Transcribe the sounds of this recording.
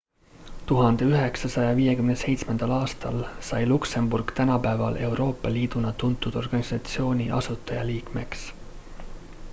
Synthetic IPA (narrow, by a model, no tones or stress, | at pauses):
t̪uɦɑnd̪̥e̞yɦe̞ksɑsɑjɑviːje̞kymnese̞jt̪smend̪̥ɑlɑːst̪ɑlsɑjlukse̞mburɡ̥t̪ænɑpæevɑ̰lʔe̞wɾo̞ːpːˑɑliːd̪̥unɑt̪unt̪ːˑud̪̥o̞rɡ̥ɑnisɑt̪sio̞ːnʲiʔɑ̰sut̪ːˑɑjɑliːkme̞ks